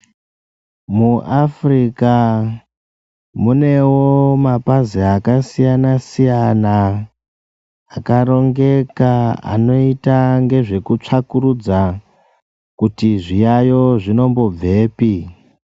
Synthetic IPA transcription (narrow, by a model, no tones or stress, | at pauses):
muʔafrika | mune̞womapaziakasijanasijana | kaɾo̞ŋɡe̞kaa̰no̞itaŋɡe̞ʐe̞kut͡ʂakurud͡za | kutiʐijajo̞ʐino̞mbo̞b͡ve̞ːpi